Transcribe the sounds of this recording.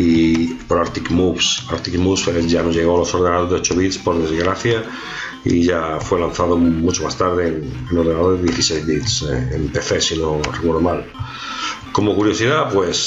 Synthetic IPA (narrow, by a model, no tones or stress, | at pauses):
ipoɾaɾt̪ikmuβsaɾt̪ikmusfeʝanozjeɣoalosoɾðenaðozðeot͡ʃoβit̪spoɾðezɣɾaθja | ḭʎafwelanθaðomut͡ʃomast̪aɾð̞eenenoɾð̞enaðoɾðeðjeθisejzβit̪sempeθesinorekweɾðomal | komokuɾjosiðapwes